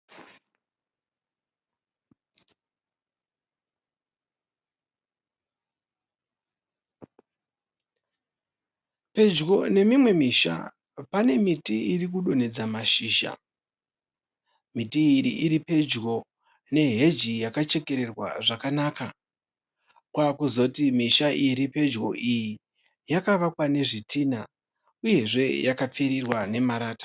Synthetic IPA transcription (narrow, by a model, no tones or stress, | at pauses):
pe̞d͡ʒɡo̞ne̞mimwe̞miʃa̰ | pane̞mitiirik̬uɗo̞ne̞d͡zamaʃiːʃa̰ | mitiːɾḭʔiɾipe̞d͡ʒɡo̞ | ne̞ɦe̞d͡ʒijakat͡ʃe̞ke̞ɾe̞rwa̰ʐakanaka | kwakuzo̞timiʃaʔiɾipe̞d͡ʒɡo̞ʔiji | jakaʋakwane̞ʐitiːna | uje̞ʐe̞jakap͡fiɾirwane̞maɾaːtḁ